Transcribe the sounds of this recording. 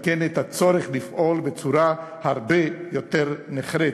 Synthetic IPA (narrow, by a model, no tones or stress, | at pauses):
kenet̪at͡soɾeχlifʔolbet͡suɾahaɾbejot̪eɾneχɾe